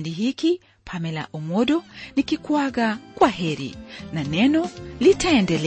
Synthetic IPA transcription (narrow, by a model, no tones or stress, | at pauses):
ndiɦiki | pʰamɛla̰ʔumɔɗɔnikikwaɣakwaɦɛɾḭnanɛnɔlitʰaɛndɛlɛ